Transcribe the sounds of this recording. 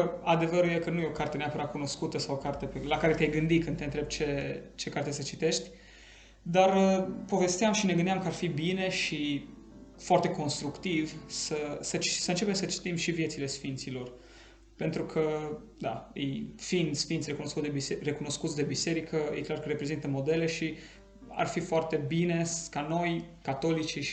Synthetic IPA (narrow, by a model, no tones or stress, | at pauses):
ad̪e̞vəɾujekənujeokart̪eneapəɾakuno̞skut̪əsawokart̪epelakaɾe̞t̪ʲajɡɨnd̪ikɨnent̪ɾeb̪̚t͡ʃe̞t͡ʃe̞kart̪esət͡ʃit̪e̞ʃt̪ʲ | d̪arəpo̞ve̞st̪eamʃine̞ɡɨnd̪iamkəarfibine̞ʃi | foart̪e̞ko̞nst̪ɾukt̪ivsəsət͡ʃi̥səɨnt͡ʃe̞pemsət͡ʃi̥t̪imʃivje̞t̪sile̞sfint̪silo̞r | pe̞nt̪ɾukʰə | d̪a̰jḛjfind̪sfint̪sʲre̞kuno̞skut̪d̪eisere̞kuno̞skut̪sd̪e̞bise̞ɾikʰəjʔḛklarkəɾepɾe̞zint̪əmo̞d̪e̞le̞ʃi | a̰rfifoart̪e̞bine̞skano̞jkat̪o̞lit͡ʃi